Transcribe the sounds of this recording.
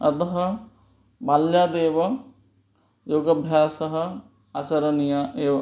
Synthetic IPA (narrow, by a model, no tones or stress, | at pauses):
ɐt̪ɐɦɐ | baljaːd̪eːʋɐ | joːɡɐbʱjaːsɐɦɐ̆ | at͡ʃɐɾɐnijaeːʋɐ